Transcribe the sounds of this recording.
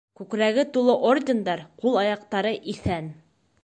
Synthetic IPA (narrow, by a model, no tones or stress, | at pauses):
kʉkɾæɡɘt̪ulˠɤʔordʲend̪ɑɾqulˠɑjɑq̚t̪ɑɾɤʔiθæn